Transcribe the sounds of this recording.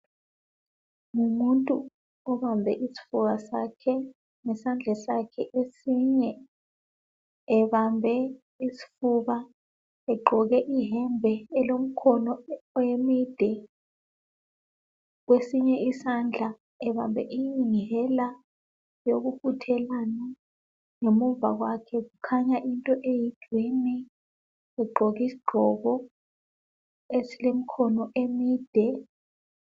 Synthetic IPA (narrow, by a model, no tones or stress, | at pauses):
ŋumuntʼu | ɔβambʱɛʔisi̥fuβasakʰɛ | ŋɛsand͡ɮʱɛsakʰɛʔesiɲɛ | βambʱɛ | isi̥fuβa | ɛɡ͡ǃʱɔɣɛʔiɦɛmbʱɛːlom̩kʰɔnɔːjemid̥ʱɛ | ɣwesiɲɛisand͡ɮʱa | ɛβambʱɛ̰ʔiiŋɦɛla | joɣufutʰɛlana | ŋemuva̰ɣwakʰɛɣukʰaɲaʔintʼɔʔeji̥d̥ʱwinɛ | ɛɡ͡ǃʱɔɣisi̥ɡ͡ǃʱɔɣɔ | esilem̩kʰɔnɔʔemiːd̥ʱɛ